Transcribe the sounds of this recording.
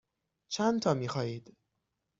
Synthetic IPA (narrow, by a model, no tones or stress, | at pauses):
t͡ʃʰænt̪ʰɒːmiːxɒːiːd̪